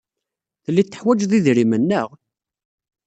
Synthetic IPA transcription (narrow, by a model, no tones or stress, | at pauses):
θəlːit̪ːə̥ħwæd͡ʒðiðɾimənːəʁ